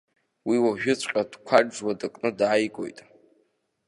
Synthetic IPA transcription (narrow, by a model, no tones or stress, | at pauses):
wiwaʒᶣʊt͡ɕʷʰʼqʲʼad̥kʷʰaːwadakʼnɨdajkʷʼo̞̰jtʼ